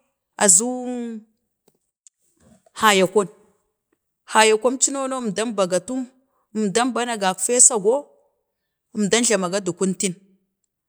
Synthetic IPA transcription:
a˨zu˦ | ha˨ja˨kʷo˦n | ha˨ja˨kʷo˦nt͡ʃi˦no˦no˦˨mda˦mba˨ɡa˨tu˦m˨ | mda˦mba˦na˨ɡa˨kfe˦sa˨ɡʷo˦˨ | mda˦nɮa˨ma˨ɡa˦du˨ku˦nti˦n

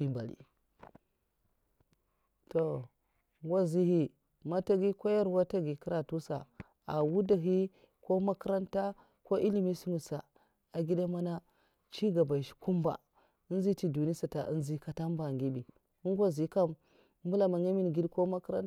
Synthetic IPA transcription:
i˦mba̰˨lḭ˨ | to˨˦ | ŋɡʷa˦zi˦hi˦ | ma˦ta˦ɡi˦ko˦ja˦ɾwa˦ta˦ɡi˨ki˦ɾa˨tu˦sa˨ | a˨wu˦da˨ɦi˦ | ko˦ma˦ka˦ɾa˦nta˦ | ko˦ʔi˦li˦mi˦si˦ŋu˨sa˨ | a˨ɡi˦da˦ma˦na˦ | t͡ʃi˦ɡa˨ba˨ʃi̥˨˦ku˦mba̰˨ | i˦zi˦ti˦du˨ni˦sa˨ta̰˨ʔḭ˦nzi˦ka˨ta˦m˦ba˨ŋɡi˦bi˨ | u˦ɡʷa˦zi˨ka˦m˦ | mbu˦la˨ma˨ŋa˦mi˦n˨ɡi˦dko˦ma˦kɾa̰˦n

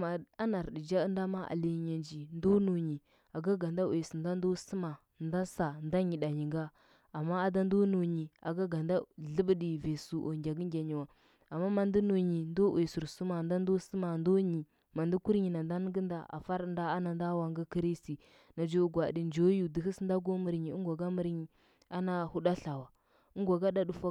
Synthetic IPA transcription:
ma˨a˦na˨ɾdi˨d͡ʒa˦nda˦ma˦ʔa̰˨li˨˦ɲa˨nd͡ʒi˨ndo˦no˨ɲi˨ | a˨ɡa˦ɡa˨nda˦we˨su˨nda˦n˦do˦sə˦ma˨ | nda˦sa˨n˦da˦ɲi˨da˨ɲi˨ŋɡa˦ | a˨mːa˦a˨da˦n˦do˦no˨ɲi˨a̰˨ɡa˦ɡa˨nda˦ɮə˦bə˦di˨ve˨su˨ʔo̰˨ŋɡʲa˨ɡə˦ŋɡʲa˨ɲi˨wa˨ | a˨mːa˦ma˨ndi˦no˨ɲi˨ndo˦we˨su˨ɾsu˦ma˨nda˦n˦do˦sə˦ma˨ndo˦ɲi˨ | ma˨ndi˦ku˦ɾɲi˨na˨nda˦n˦ɡə˦nda˨ʔa̰˨fa˦ɾnda˦a˦na˨n˦da˦wa˨ŋɡə˦ki˦ɾi˦sti˨ | na˨d͡ʒo˦ɡʷa˨di˨nd͡ʒo˦ju˨di˨hi˦snda˦ɡo˦mə˨ɾɲi˨ə˦ɡʷa˨ɡa˦mə˨ɾɲi˨ | a˦na˨hu˦ɗa˦ɬa˨wa˨ | ə˦ŋɡʷa˨ɡa˦da˦du˨fa˦

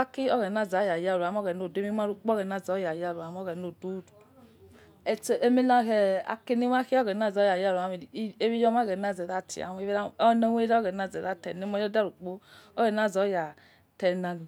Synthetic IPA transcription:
a˦ki˦ɔ˦ɣɛ˨na˦˨za˨˦ja˨ja˧˨ɾu˨a˨˦m˦ɔ˦ɣɛ˨no˨de˦i˦m˦a˦ɾu˦k͡po˦ɣɛ˨na˨zɔ˨˦ja˨ja˨ɾu˨a˨m˦ɔ˦ɣɛ˨no˨do˦du˨u | ɛ˨t͡ʃʔe˦me˦la˦˨kɛ˨a̰˨ke˦ni˦m˦a˦ki˦ɔ˦ɣɛ˨n˦a˦˨zɔ˨˦ja˨ja˦˨ɾu˨a˨˦mi˨˦e˦βi˦jɔ˦ma˦ɡɛ˨na˨zɛ˨da˦tḭ˨a̰˨we˦i˦a˦ɔ˦nɛ˦we˦ɾa˦ɣɛ˨na˦˨zɛ˨da˦tɛ˨ne˦mɔ˦jɔ˦da˦ɾu˨k͡po˦ɔ˦ɣɛ˨n˦a˦˨zɔ˨˦ja˨ | tɛ˨na˨ni˨

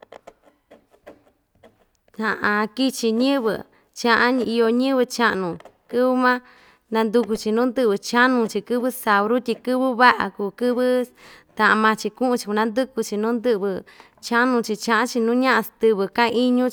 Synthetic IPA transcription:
hã˨ʔã˧ki˦t͡ʃi˧ɲɨ̃˦βɨ̰˧ | t͡ʃã˧ʔã˦˧i˧jo˧ɲɨ̃˦βɨ˧t͡ʃa˦ʔnũ˨kɨ˦βɨ˦mã˦ | nã˧nd̪u˧ku˧t͡ʃi˧nũː˦nd̪ɨ˦˧βɨ˨t͡ʃa˦nũ˧t͡ʃi˧kɨ˦βɨ˦sa˨βɾu˦t̪ʲi˧kɨ˦βɨ˦βa˦ʔa̰˨ku˨˧kɨ˦βɨ˦t̪ã˨ʔã˧mã˧t͡ʃi˧kũ˦ʔũ˧t͡ʃi̥˧˨ku˧nã˧˦nd̪ɨ˦ku˧t͡ʃi˧nũː˦nd̪ɨ˦ʔβɨ˧ | t͡ʃa˦nũ˧t͡ʃi˧t͡ʃã˧ʔã˦t͡ʃi˧nũː˦ɲã˦ʔa˧st̪ɨ˧βɨ˧kã˦˧i˦ɲũ˦t͡ʃ

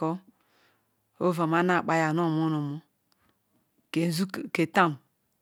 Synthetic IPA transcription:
ɔ˦ | o˦va˨ma˦na˨k͡pa˦ja˨nɔ˦˨mo˦no˨mo˦ | ke˨˦zu˦˨ke˨ta˦˨m

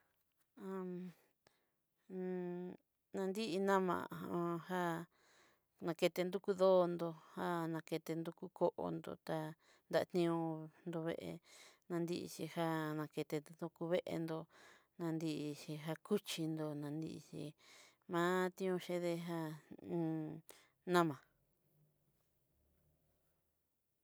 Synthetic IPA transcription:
ã˧ | nã˧nd̪i˦ʔi˧nã˦mã̰˨˧ha˦ | nã˧ke˧t̪e˧nd̪u˦ku˦ðo˦˧nd̪o˧ha˦nã˧ke˧t̪e˧nd̪u˧ku˦ko˦ʔo̰˧nd̪o̰˧˨t̪a˧ | nd̪a˧ʔa̰˧t̪nĩ˧õ˧nd̪o˧βḛ˧ʔḛ˧nã˧nd̪i˧ʔḭ˧t͡ʃi˧ha˦nã˧ke˧t̪e˧ðo˧ku˧βe˦ʔḛ˧nd̪o˧ | nã˧nd̪i˧ʔi˧ʃi˧ɦa˧ku˦t͡ʃi˧nd̪o˧nã˧nd̪ḭ˧ʔi˧t͡ʃḭ˧ | mãː˦t̪ĩ˦õ˧ʃe˧ðe˧ɦã˧ | nã˦mã˨

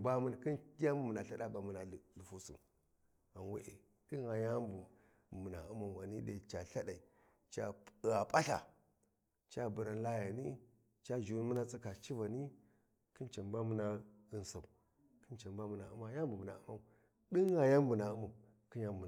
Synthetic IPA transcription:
ba˦mu˦n˨ki˦n˦ja˦bu˨mu˨na˨ɬa˦ɗa˦ba˨mu˨na˨lu˨fu˦sṵ˨m | a˨nwe˦ʔe˨ | di˦a˨ja˦mbu˨ | mu˨na̰˨u˦ma˨wa˨ni˦de˨t͡ʃa˨ɬa˦da˨i˨ | t͡ʃa˦˨a˨pʼa˦ɬa̰˨ | t͡ʃa˦bu˨ɾa˨n˦la˦ja˨ni˦ | t͡ʃa˦ʒu˨˦mə˦na˦t͡si˦ka˨t͡ʃi˦va˨ni˦ | ki˦nt͡ʃa˨mba˦mu˦na˦ə˨n˨sa˨u˨ | kə˦nt͡ʃa˨mba˦mu˨na˨u˦ma˦ja˦m˦bu˨mu˨na̰˨u˦ma˦˨ | di˦a˨ja˦mbu˨na˨u˦ma˨ | ki˦a˦mbu˨

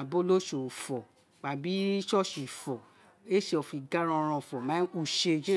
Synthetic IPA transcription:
a˨bo˦lo˦ʃo˨fɔ˨ | k͡pa˨bi˨˦ʃɔ˦ʃi˨fɔ˨ | e˦ʃe˧ɔ˨fi˨ɡa˦ɾã˧ɾ̃ã˧˨fɔ˨mã˨˦u˦˨ʃe˧d͡ʒe˦

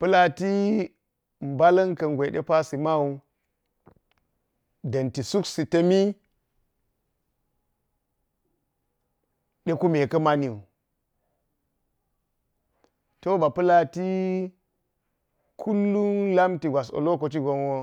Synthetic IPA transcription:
pɨ˦la˨ti˦ | m̩˨ba˦lɐ˦nkɐ˨ŋɡʷe˨ɗḛ˦pa˦si˨ma˦u˦ | dɐ˨nti˨su˦ksi˨tɐ˦mi˦ | ɗe˦ku˦me˨kɐ˦ma˦ni˨u˨ | to˦ba˨pɨ˦la˨ti˦ | kʰu˦lːu˦la˦mti˨ɡʷa˨s̬o̰˨lo˦ko˨t̬i˦ɡo˦nwo˦

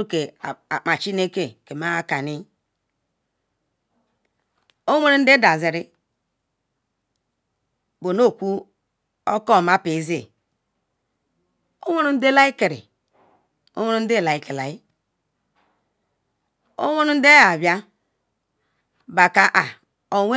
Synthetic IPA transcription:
u˦ke˨a˨k͡pa˨t͡ʃi˦ne˦ke˦ke˨ma˦a˦ka˨ni˦ | o˦wʷe˦ɾu˦n̩˦de˦da˨zi˨ɾi˦ | bo˨no˦˨kʷu˦ | o˦kɔ˦˨ma˦pe˨˦ze˦˨ | o˦wʷe˦nu˦n̩˦de˦la˦i˦ke˨ɾḭ˨ | o̰˦we˦nu˦de˦˨la˨i˨˦ki˨la˨i˦ | o̰˦wʷe˦nu˦n̩˦de˦a˨bja˦ | ba˨ka˨ʔa˨ | o˨wʷe˦

